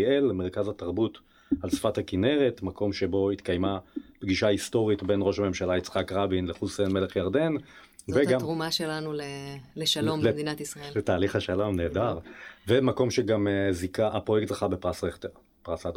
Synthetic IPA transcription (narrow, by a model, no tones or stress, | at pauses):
elmeʁ̞kazat̪aʁbut | alsfathakine̞ʁetmako̞mʃebo̞it̪kajmapɡiʃaisto̞ʁitbe̞nʁo̞ʃhame̞mʃalait͡sχakʁabinleχusenme̞leχjaʁd̪e̞n | veɡamʁumaʃelanuleleʃalomd̪inat̪isʁɐelet̪aːliχhaʃalo̞mne̞ːdaʁvemako̞mʃeɡamzikaʔapʁo̞jekt̪ʁeχabepʁasʁete | pʁasat